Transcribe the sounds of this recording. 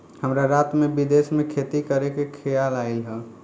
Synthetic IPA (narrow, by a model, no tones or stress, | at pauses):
həmɾaɾat̪mebid̪esmekʰet̪ikəɾekekʰɛjalaɪlɦɛ